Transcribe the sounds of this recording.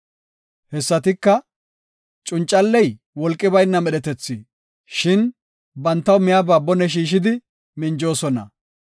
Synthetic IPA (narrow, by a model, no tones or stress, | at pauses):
hɛsːɐt̪ɪkːɐ | t͡ʃʼʊnt͡ʃʼːɐlːɛj | wɔlkʼːɪbɐjnːɐmɛɗɛt̪ɛt͡sːɪ | ʃɪn | bɐnt̪ːɐwmɪjabaːbɔnɛʃ̬iːʃ̬ɪd̪ɪ | mɪnd͡ʒo̞ːsɔnɐ̰